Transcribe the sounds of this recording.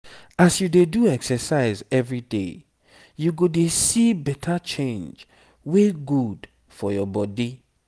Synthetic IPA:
asjudeduɛksəsaɪzɛvɹidḛ | juɡodesibɛtʰat͡ʃẽnd͡ʒ | weɡud | fɔjɔbɔdi

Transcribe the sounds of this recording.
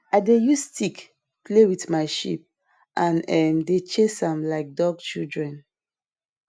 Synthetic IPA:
aɪdejustʰik | plewitmaɪʃḭp̚ | ʔãnɛmdet͡ʃesãmlaɪk̚dɔɡ̚t͡ʃildɹɛ̃n

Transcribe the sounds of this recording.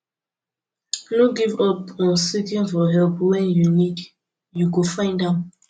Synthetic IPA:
noɡivɔpəsitĩnfɔɦɛlpwɛ̃njunid | jukufãɪ̃ndãm

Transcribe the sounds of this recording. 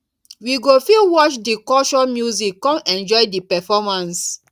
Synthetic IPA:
wiɡofilwɔt͡ʃdikɔʃɔ̃mjuzikːɔ̃mɛ̃nd͡ʒɔɪdipɛfɔmãns

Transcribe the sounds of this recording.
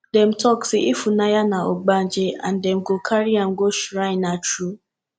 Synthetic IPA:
dɛm̩tɔksiʔifunajanãɔɡ͡band͡ʒea̰n̩dɛm̩ɡokʰaɾiãm̩ɡoʃɾaɪnat͡ʃɾu

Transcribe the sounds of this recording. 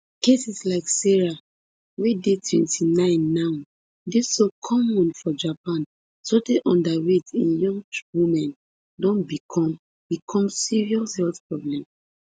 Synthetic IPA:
kesislaɪksɛɹa | wedetʰwɛ̰̃ntʰinãɪ̃nːan | desokʰɔmɔ̃nfɔd͡ʒapãn | sodeʔɔ̃ndawitĩnjɔ̃ŋɡwumɛ̃n | dɔ̃nbikʰɔ̃m | bikʰɔ̃msiɹiɔshɛlfpɹɔblɛ̃ms

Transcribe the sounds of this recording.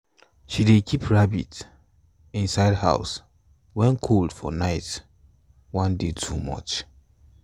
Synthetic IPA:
ʃidekʰipʰɹabḭt | ĩnsaɪdha̰ʊs | wɛ̃nkʰold̥fɔ̰naɪt | wãndetʰumʌ̰t͡ʃ

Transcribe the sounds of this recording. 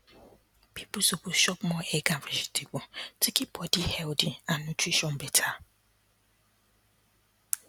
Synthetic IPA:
pipʊsokuʃɔpmɔɛɡãvɛzi̥tʰebʊtikibɔdihɛldiannutɾiʃɔ̃nbɛtʰa

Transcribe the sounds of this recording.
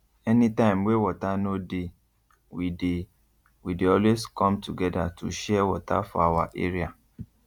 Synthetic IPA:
ɛnĩtãɪ̃mwewɔtanode | wide | wideɔlweskɔ̃mtuɡɛda̰tʰuʃɛwɔta̰fɔ̰awa̰ʔḛɹia

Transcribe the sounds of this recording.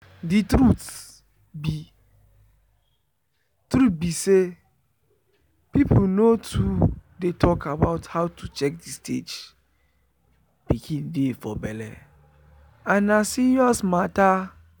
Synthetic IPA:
ditɾut | bi | tɾut̚bise | pip̩ʰnotʰudetʰɔkʰabaʊthaʊtʰut͡ʃɛk̚distʰḛd͡ʒ | pikʰĩndefɔbɛlɛ̰ | anasiɾiɔsmata

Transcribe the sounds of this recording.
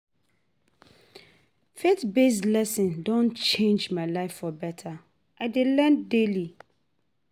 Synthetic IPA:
fetbeslɛsĩndõnt͡ʃʰẽnd͡ʒmaɪlaɪfɔbɛtʰa | ʔaɪdelɛ̃ndeli

